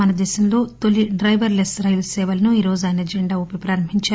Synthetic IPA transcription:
ɐnɐd̪ɛːsɐmlo̞ːt̪olːiɖɾɐjʋɐɾlesɾɐjʋlsɛːʋɐlɐnuiːɾo̞ːzuaːjnɐɐd͡ʒeɳɖaːopipɾaːɾɐmɦiɲt͡ʃaː

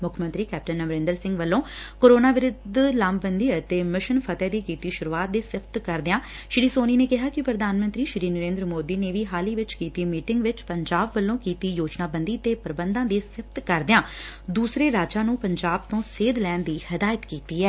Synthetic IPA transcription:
mʊkʰmənt̪ɾiːkɛːp̚ʈənːəʋɾẽːnd̪əɾsɪ̃ŋɡʋəlːõːkoːɾoːnaːʋɪɾʊd̪lãːmbənd̪iːət̪eːmɪʃənpʰət̪ɛːd̪iːkiːt̪iːʃʊɾuːaːt̪̚d̪eːsɪpʰt̪kəɾd̪ɪãː | ʃɾiːsoːniːneːkɪɦaːkɪpɾəd̪ʱaːnmə̃nt̪ɾiːʃɾiːnəɾẽːnd̪ɾəmoːd̪iːneːʋiːɦaːliːʋɪt͡ʃkiːt̪iːmiːʈɪŋɡʋɪt͡ʃpəɲd͡ʒaːbʋəlːõːkiːt̪iːjoːd͡ʒnaːbənd̪iːət̪eːpəɾəbənd̪ãːd̪eːsɪpʰt̪kəɾd̪ɪjãː | d̪uːsɾeːɾaːd͡ʒaːnũːpəɲd͡ʒaːb̚t̪õːseːd̪lɛːnd̪iːhəd̪aːjət̪kiːt̪iːɛː

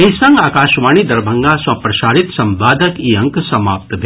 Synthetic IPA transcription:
esɐ̃ŋɡaːkaːʃʋaːñid̪ɐɾbʱɐ̃ŋɡasɐ̃pɾɐʃaːɾit̪sɐ̃mʋaːd̪ʱəkiɐ̃ŋksɐma̰ːp̚t̪bʱ

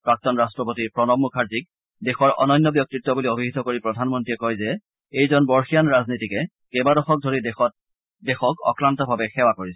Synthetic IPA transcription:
pɹak̚tɔnɹastɹɔpotiɹpɹɔnɔmːukʰaɹzik | dexɔɹʔɔ̰nɔjnːɔbjɔk̚tɹitːɔbuliobʱiɦitɔkoɹipɹɔdʱanmɔntɹiɛkɔjzɛ | ejzɔnbɔɹxijanɹaznitikɛ | kɛbadɔxɔk̚dʱoɹidxɔ | dexɔkɔ̰kɹantɔbʱabɛxɛwakoɹisɛ

